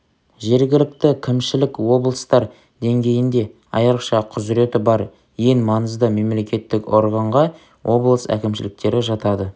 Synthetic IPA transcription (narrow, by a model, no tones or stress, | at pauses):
ʒe̞ɾɡʲɪlɪk̚t̪ɪkʲʰɪmʃɪlɪkwo̞blˠəst̪ɑɾ | d̪e̞ŋɡʲe̞jɪnd̪e̞ | ɑjɑɾəqʃɑqʰʊzɪɾe̞t̪ɪbɑɾ | je̞ŋmɑnəzd̪əme̞mle̞kʲe̞t̪ːɪko̞ɾʁɑɴʁɑ | wʔo̞blˠəsæ̰kʲɪmʃɪlɪk̚t̪e̞ɾɪʒɑt̪ɑd̪ə